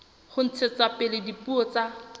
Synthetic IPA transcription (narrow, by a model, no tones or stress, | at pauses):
χʊn̩t͡sʰet͡sapɪlɪdipuɔt͡sa